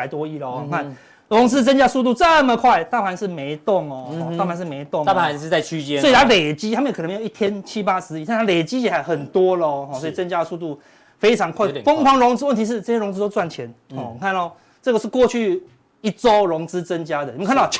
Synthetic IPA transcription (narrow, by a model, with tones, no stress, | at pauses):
a˧˩ɪt̪wɔ˦i˥˩lə˨˧˨kʰa˥˨n | lʊ˧˦ŋt͡sɹ̩˦˥t͡sə˥nt͡ɕja˥su˥˧t̪̬u˥˧t͡sə˥˧mə˨kʰwa˥˧ɪt̪a˥˩pʰa˧˦nʂɻ̩˥˩me˧˦ɪt̪ʊ˥˩ŋɔ˨˦ɔ˥˧ta˥˧˨pʰa˧nʂ̬ɻ̩˥˩me˧˥ɪt̪ʊ˥˨ŋa˥˨˧ʂɻ̩˥˧a˥˩ɪt͡ɕʰy˥t͡ɕjɛ˦sɔ˧˥i˨t̪ʰa˥le˨˩ɪt͡ɕi˥t̪ʰa˥mə˧˨kʰme˧ji˥˩t̪ʰjɛ˥nt͡ɕʰi˦pa˥sɹ̩˧˦i˨˩a˥˧˥a˥le˨˩ɪt͡ɕi˦˥t͡ɕɛ˨˥˩a˧˦ɪxə˨˩nt̪wɔ˦˥lə˨xɔ˥sswɔ˥i˨t͡sə˦˥nt͡ɕja˥ə˨˧su˥˧t̪u˥˩ | fe˥ɪt͡sʰɑ˧˦˥ŋkʰwa˥˩ɪfə˥ŋkʰɑ˧˦ŋɻʊ˧˦ŋt͡sɹ̩˥wə˥˨nt̪ʰi˧˥ʂ̬̩˥˩t͡sə˥˩ɕje˥ʊ˧ŋt͡sɹ̩˥t̪o˥t͡swa˥˩nt͡ɕʰjɛ˨˧˦nɔ˥˨˩kʰa˥˧na˥˧˩ | t͡sɤ˥˩ɡə˩ʂɻ̩˥˧kwɔ˥˧t͡ɕʰy˥˧ | i˦˩t͡so˦ʊɻʊ˧˥ŋt͡sɹ̩˦t͡sə˦nt͡ɕja˥d̪ə˨n˨ə˧kʰa˥nt̪